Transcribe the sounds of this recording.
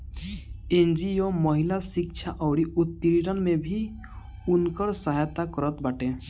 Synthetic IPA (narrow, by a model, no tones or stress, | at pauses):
ẽnd͡ʒioməɦɪlasɪkt͡ʃʃʰaʔɔːɾiʔʊt̪ːiɾiɾənmẽbʱi | ʊnkəɾsaɦajt̪akəɾət̪baʈẽː